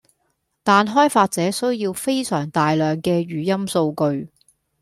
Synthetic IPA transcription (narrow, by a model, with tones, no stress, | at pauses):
t̪aː˨˧nɦɔː˥jfaː˧t̚t͡sɛː˨˥sɵ˥ɥjiː˧wfe˥jsœː˨˩ŋt̪aː˨jlœː˨ŋkɛː˧ɥyː˨˩jɐ˥mso˧wkɵ˧ɥ